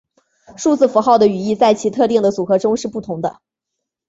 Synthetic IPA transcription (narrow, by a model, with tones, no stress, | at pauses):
ʂu˥˧t͡sɹ̩˥˩fu˧˥xɑ˥˩ʊd̪ə˩y˨˩i˥˧t͡sa˥˩ɪt͡ɕʰi˧˥t̪ʰɤ˥˧t̪i˥˩ŋd̪ə˩t͡su˨˩xɤ˧˥ʈ͡ʂʊ˥ŋʂɻ̩˥˧pu˥˩t̪ʰʊ˧˥ŋd̪ə̰˧